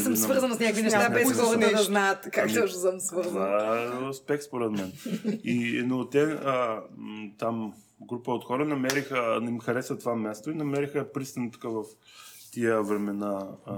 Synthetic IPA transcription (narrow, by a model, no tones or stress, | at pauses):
əmsvɤɾzənsnʲakinɛʃt̪abɛsɔɾnɛnɐznajət̪kakt̪ɔʃɛsəmsvɤɾzospɛxspoɾɛt̪mɛninot̪ɛə | t̪am | ɡɾupəot̪xɔɾənɐmɛɾixəimxɐɾɛsət̪ovamɛst̪oinɐmɛɾixəpɾist̪ɐnt̪kavɐf | t̪ijəvɾɛmɛna